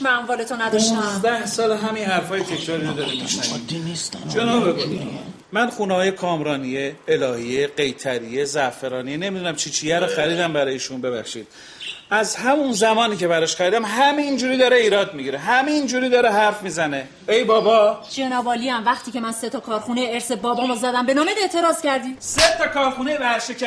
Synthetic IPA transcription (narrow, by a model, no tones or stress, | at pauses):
mæmvɒːlet̪ʰonæd̪ɒʃt̪æzd̪æhsɒːlɦæminɦæɾfɒːjet̪ʰecʰɾɒːɾiːɾod̪ɒːɾimiʃnævd̪nist̪d͡ʒenɒːbeɡoni | mænxunehɒːje̞kʰɒːmɾɒːnijeːlɒːhijeɢe̞jt̪ʰæɾije̞zæfeɾɒːnijene̞mid̪unæmt͡ʃʰit͡ʃʰijæɾoxæɾiːd̪æmbæɾɒːjeʃunbe̞βæxʃiːd̪̥ | ʔæzhæmunzæmɒːniːcʰe̞βæɾɒʃxæɾiːd̪æmɦæmeind͡ʒuːɾiːd̪ɒːɾeiːɾɒːd̪miɡiɾeɦæmeind͡ʒuːɾiːd̪ɒːɾeɦæɾfmiːzæne̞ | ejbɒːbɒːd͡ʒenɒːvɒːliæmvæxt̪iːcemænset̪ʰɒkʰɒːɾxuneeɾsebɒːbɒːmozæd̪æmbe̞nɒːmed̪e̞ʔt̪ʰe̞ɾɒːz̥cæɾd̪iːset̪ʰɒkʰɒːɾxunebæʃecʰ